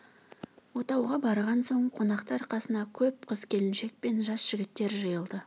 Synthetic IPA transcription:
wo̞t̪ɑwʁɑbɑɾʁɑnso̞ɴqʰo̞nɑqt̪ɑɾqʰɑsənɑkʲʰɵp̚qʰəzkʲʰe̞lɪnʃe̞k̚pe̞nʒɑsʒ̥ɪɡʲɪt̪ːe̞ɾʒɑjəlˠd̪ə

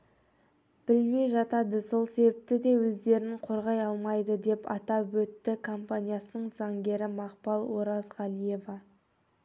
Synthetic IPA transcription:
b̥ɪlme̞jʒɑt̪ɑd̪əso̞lˠse̞bɪp̚t̪ɪd̪e̞wɵzd̪e̞ɾɪŋqʰo̞ɾʁɑjɑlˠmɑjd̪əd̪e̞pɑt̪ɑwɵt̪ːɪkʰo̞mpanʲijasənəɴzɑŋɡʲe̞ɾɪmɑqpɑlˠwo̞ɾɑzʁɑlˠije̞vɑ

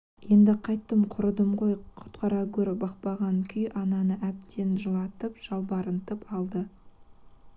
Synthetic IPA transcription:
je̞nd̪ɪqʰɑjt̪ːəmqʰʊɾəd̪əmʁo̞jqʰʊ̥t̪qʰɑɾɑɡʲɵɾɪbɑq̚pɑʁɑŋkʲʰʏjʔɑnɑnəʔæp̚t̪e̞nʒəlˠɑt̪əpʒ̥ɑlˠbɑɾənt̪əpɑlˠd̪ə

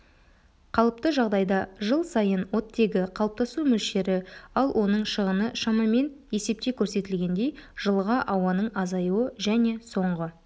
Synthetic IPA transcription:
qʰɑlˠəp̚t̪əʒɑʁd̪ɑjd̪ɑʒəlˠsɑjənwo̞t̪ːe̞ɡʲɪqʰɑlˠəp̚t̪ɑsumɵlʃe̞ɾɪɑlˠwʔo̞nəɴʃəʁənəʃɑmɑme̞nje̞se̞p̚t̪e̞kʲʰɵɾse̞t̪ɪlɡʲe̞nd̪e̞jʒ̥əlˠʁɑʔɑwɑnəɴɑzɑjuwəʒæne̞so̞ɴʁə

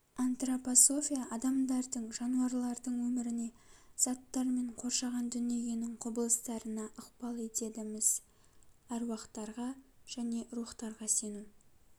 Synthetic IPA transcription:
ant̪roposo̞fʲijaʔɑd̪ɑmd̪ɑɾd̪əɴʒɑnuɑɾlˠɑɾd̪əɴwɵmɪɾɪne̞z̥ɑt̪ːɑɾme̞ɴqʰo̞ɾʃɑʁɑnd̪ʏnie̞ɡʲe̞nɪɴqʰʊbəlˠəst̪ɑɾənɑʔʊqpɑlˠe̞t̪e̞d̪ɪmɪz | æɾwɑqt̪ɑɾʁɑʒ̥æne̞ɾuχt̪ɑɾʁɑse̞nu

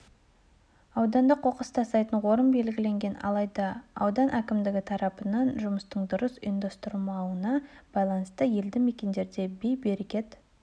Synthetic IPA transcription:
ɑwd̪ɑnd̪əqʰo̞qəst̪ʰɑst̪ɑjt̪əɴwo̞ɾəmbe̞lɡʲɪle̞ŋɡʲe̞nɑ̰lˠɑjd̪ɑ̰ːwd̪ɑnʔækʲɪmd̪ɪɡʲɪt̪ʰɑɾɑpənɑnʒʊməst̪əɴd̪ʊɾəsḭnd̪ost̪ʊɾmɑwənɑb̥ɑjlˠɑnəst̪əje̞ld̪ɪme̞kʲe̞nd̪e̞ɾd̪e̞be̞jbe̞ɾekʲe̞t̪

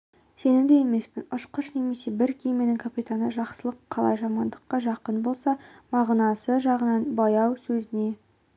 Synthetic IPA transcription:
se̞nɪwd̪ejeme̞spɪnʊʃqəʃne̞me̞se̞bɪɾkʲʰejmenɪŋkʰapʲit̪anəʒɑqsəlˠəqʰːɑlˠɑ̰jʒɑmɑnd̪əqːɑʒɑqənbo̞lˠsɑmɑʁnɑsəʒɑʁənɑnbɑjɑwsɵzɪne̞

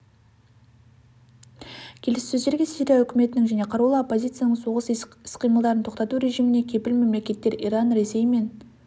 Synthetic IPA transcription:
kʲʰe̞lɪssɵzd̪e̞ɾɡʲe̞siɾʲijaɵkʲɪme̞t̪ɪnɪŋʒæne̞qʰɑɾulˠɑopːo̞zʲit̪sɨjanəɴso̞ʁəsɪsqʰijməlˠd̪ɑɾənt̪ʰo̞qt̪ɑt̪uɾe̞ʒijmɪne̞kʲʰe̞pɪlme̞mle̞kʲe̞t̪ːe̞ɾijɾɑnɾe̞se̞jme̞n

